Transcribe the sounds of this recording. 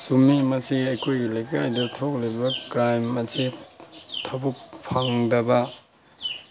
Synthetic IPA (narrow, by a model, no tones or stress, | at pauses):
sumimɐsiɐjkʰojɡilejkajdutʰok̚libɐkɾajmɐsi | tʰɐbuk̚pʰaŋdɐbɐ